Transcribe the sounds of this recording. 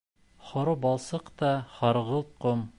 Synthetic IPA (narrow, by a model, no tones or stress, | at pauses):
χŏɾubɑlˠsɤqt̪ɑχɑɾʁɤlˠt̪̚qom